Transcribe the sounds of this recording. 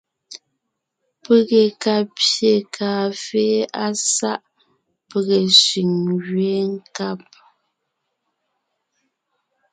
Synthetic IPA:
pə˦˨ɣe˨ka˨pje˨kʰaː˨feː˦a˦sa˦ʔ | pə˦ɣe˨si˨ŋɣɥeː˨˦ŋ̩˦ka˦˨p̚

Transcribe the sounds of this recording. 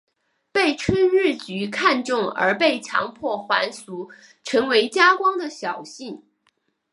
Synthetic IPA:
pe˥˩ɪʈ͡ʂʰwə˥nɻɻ̩˥˩t͡ɕy˧˥kʰa˥˧nʈ͡ʂʊ˥˩ŋə̰˞˧˥pe˥˩ɪt͡ɕʰjɑ̰˧˥ŋpʰwɔ˥˩xwa̰˧˥nsu˧˥ | ʈ͡ʂʰɤ˧˥ŋwe˧˥ɪt͡ɕja˥kwɑ˥ŋd̪ə˨ɕjɑ˨˩ʊɕi˥˩n

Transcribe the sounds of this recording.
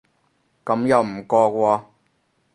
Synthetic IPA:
kɐ˨˥mjɐ˨wm̩˨˩kɔː˧kʷɔː˧

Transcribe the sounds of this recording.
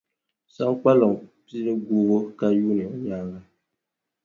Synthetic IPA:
sa˦ŋ˦k͡pa˦lɔ˨ŋ˨pi˦ɾɨ˦ɡu˦ɣo˦ka˦ju˦ni˨ɔ˨jaː˦ɣa˦

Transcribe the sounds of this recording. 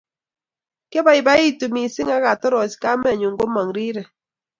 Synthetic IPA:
ke˦ba˨i˨ba˦i˦tu˨mi˨sɪ˦ŋa˦ka˨tɔ˦ɾɔ˨si̥˦ka˦mɛ˨ɲo˨ŋɡo˦ma˨ŋɾi˦ɾɛ˨

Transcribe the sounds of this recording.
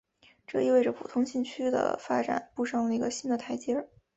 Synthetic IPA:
ʈ͡ʂɤ˥˧i˥we˥˩ɪʈ͡ʂə˩pʰṵ˨˩t̪ʰʊ˥ŋɕi˥˩ŋt͡ɕʰy˥d̪ə̰˧fa˥ʈ͡ʂa̰˨˩˦npu˥˧ʂɑ˥˩ŋlə˩i˧˥ɡə˧ɕi˥nd̪ə˨t̪ʰa˧˥ɪt͡ɕjɛ˥

